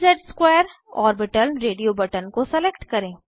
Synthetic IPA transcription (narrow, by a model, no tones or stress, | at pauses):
d͡ʒəɖskwɛːɾ | ɔ̰ːɾbɪʈəlɾeːɖijobɐʈənkosɛleːkʈkɐɾẽː